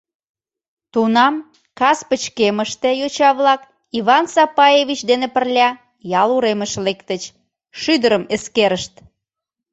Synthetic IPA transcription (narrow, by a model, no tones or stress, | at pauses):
t̪unɑm | kɑspət͡ɕkeməʃt̪ĕjot͡ɕɑβlɑk | iβɑnsɑpɑjeβit͡ɕd̪enepərlʲɑ | jɑluɾeməʃlekt̪ət͡ɕ | ʃyd̪əɾəmeskeɾəʃt̪̚